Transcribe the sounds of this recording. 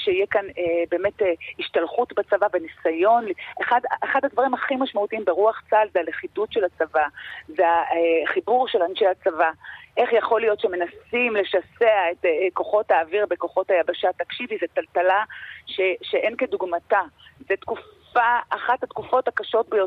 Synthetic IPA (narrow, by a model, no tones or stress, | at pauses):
ʃeijekanebe̞ːme̞teiʃtalχutbat͡savavenisajo̞nliʔeχadʔeχadhadvaʁimaχimaʃmautiimbeʁuaχt͡salzealeχidutʃelat͡savazeaeχibuʁʃelanʃejat͡savaʔe̞χjaχo̞lijo̞tʃeme̞nasimle̞ʃaseaetko̞χo̞thaːviʁbeko̞χo̞thajabaʃatakʃivizetaltalaʃeʃeʔenkeduɡmatazetkuf | aːχathatkufo̞thakaʃo̞tbejo